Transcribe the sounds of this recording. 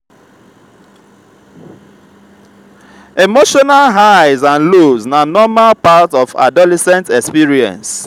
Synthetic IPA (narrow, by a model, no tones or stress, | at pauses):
emoʃɔnalɦaɪzãnloznanɔmalpatɔfa̰dɔlɛsɛ̃ntɛkspiɹiɛ̰̃ns